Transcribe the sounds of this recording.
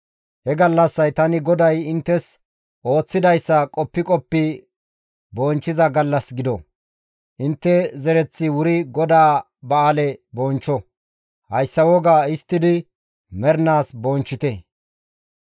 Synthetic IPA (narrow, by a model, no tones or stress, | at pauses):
hɛɡɐlːɐsːɐjt̪ɐnɪɡɔd̪ɐjɪnt̪ːɛs | ʔo̞ːt͡sːɪd̪ɐjsːɐkʼɔpːɪkʼɔpːɪ | bɔːnt͡ʃːɪzɐɡɐlːɐsɡɪd̪ɔ̰ | ʔɪnt̪ːɛzɛɾɛt͡sːɪwʊɾɪɡɔd̪aː | bɐaːlɛbɔnt͡ʃːɔ | hɐjsːɐwɔɡaːɪst̪ːɪd̪ɪ | mɛɾnaːsbɔnt͡ʃːɪt̪ɛ